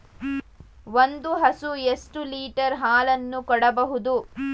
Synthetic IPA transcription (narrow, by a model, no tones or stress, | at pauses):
ʋond̪uɦɐsuesʈuliːʈɐɾɦaːlɐnːukɔɽɐbɐɦud̪u